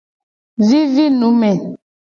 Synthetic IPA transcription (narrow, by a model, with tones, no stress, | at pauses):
zi˦zi˦nu˨˦mɛ˨